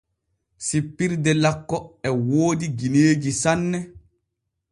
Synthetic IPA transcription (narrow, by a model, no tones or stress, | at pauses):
sipːiɾdɛlakːɔɛwoːdiɡineːɡisanːɛ